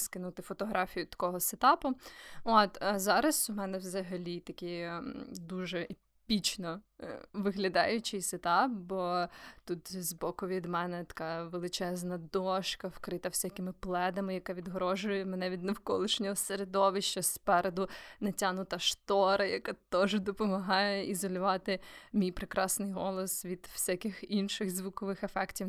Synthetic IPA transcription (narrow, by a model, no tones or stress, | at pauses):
skɪnut̪ɪfɔt̪ɔɦɾɑfʲijʊt̪ɐ̥kɔɦɔset̪ɑpʊɔt̪ɐzɑɾɐsʊmɛnɛwzɐɦɐlʲit̪ɐkʲi | d̪uʒɛe | pʲit͡ʃnɔ | ʋɪɦlʲɐd̪ɑ̰jʊt͡ʃɪjset̪ɑp̚bɔt̪ut̪zbɔkʊʋʲid̪mɛnɛt̪ɐ̥kɑʋelˠɪt͡ʃɛznɐd̪ɔʃkɐwkɾɪt̪ɐw̥sʲakɪmɪplˠɛd̪ɐmɪjɐkɑʋʲid̪ɦɾɔʒʊjɛmenɛʋʲid̪nɐwkɔlˠɪʃnʲɔɦɔseɾed̪ɔʋɪʃt͡ʃɐspɛɾed̪ʊnɐtʲanʊt̪ɐʃt̪ɔɾɐjɐkɑt̪ɔʒd̪ɔpɔmɐɦɑjɛizɔlʲʊʋɑt̪ɪmʲijpɾekɾɑsnɪjɦɔlˠɔsʋʲid̪̥w̥sʲakɪxinʃɪxzʋʊkɔʋɪxɐfɛktʲiw